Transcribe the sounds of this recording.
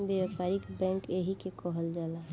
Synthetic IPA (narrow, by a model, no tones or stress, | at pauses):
bjaʋpaɾikbɛ̃ːŋkeɦikekɔɦəld͡ʒaːlaɦ